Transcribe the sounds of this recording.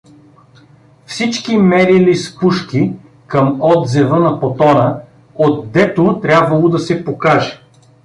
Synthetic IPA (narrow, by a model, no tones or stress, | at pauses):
fsit͡ʃkimɛɾilispuʃki | kɐmɔd̪zɛvənɐpot̪ɔnə | ot̪̚d̪ɛt̪ot̪ɾʲabvɐlˠod̪ɐsɛpokaʒɛ̥